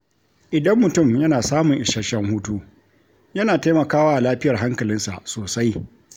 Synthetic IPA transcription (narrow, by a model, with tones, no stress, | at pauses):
ʔɪ˨dɐ˦mːʊ˨tʊ˦˨mjɐ˦naː˨saː˦mʊ˨ŋʔɪ˨ʃɐ˦ʃɐ˦ŋhuː˦tuː˦ | jɐ˦naː˨ta˦mɐ˨kaː˦waː˦ʔa˨laː˦ɸɪ˦jɐ˨rɦa˦ŋkɐ˨lɪ˦nsa̰˨ʔsoː˨sa˦j